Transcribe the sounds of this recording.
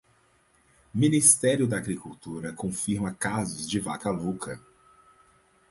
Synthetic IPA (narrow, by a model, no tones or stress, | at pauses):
minist̪ɛɾjʊd̪ɐːɡɾikuwt̪uɾɐkõfiɾmɐkazʊzd͡ʒɪva̰kalukʰɐ